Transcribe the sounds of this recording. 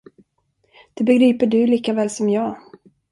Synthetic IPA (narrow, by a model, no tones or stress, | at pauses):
d̪̥ɛbɛɡɾiːpəɖɵliːkavɛːlsɔmjɑː